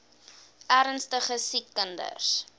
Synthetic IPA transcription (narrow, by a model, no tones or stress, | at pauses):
ʔæɾənstəχəsikːəndə̰s